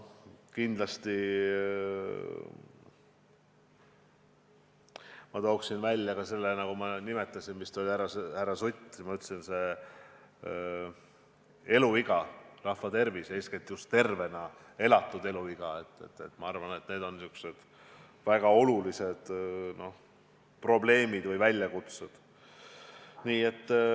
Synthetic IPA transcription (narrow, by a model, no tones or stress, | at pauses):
kind̪lɑst̪i | mɑt̪o̞ːksinvælʲːjɑɡ̥ɑse̞lːenɑkumɑnime̞t̪ːˑɑsinmist̪olʲiæɾɑshæɾɑsut̪ʲːmɑyt̪ːˑsinse̞ | e̞luiɡ̥ɑrɑhvɑt̪e̞rvisesket̪ːijust̪ːe̞rve̞nɑ | e̞lɑt̪ːˑud̪e̞luiɡ̥ɑe̞t̪ːˑḛt̪ːˑḛt̪ːˑmɑɑrvɑne̞t̪ne̞ːd̪̥o̞nsykse̞d̪̥ | væɡ̥ɑo̞lulise̞d̪̥no̞ | pro̞ble̞ːmid̪̥vɨjvælʲjɑkut̪sed̪̥ | niːe̞t̪ːˑ